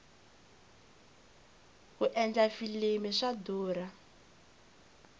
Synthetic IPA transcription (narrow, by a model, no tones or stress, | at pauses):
ɦuʔɛnd͡ɮafilimiʂaduːɾa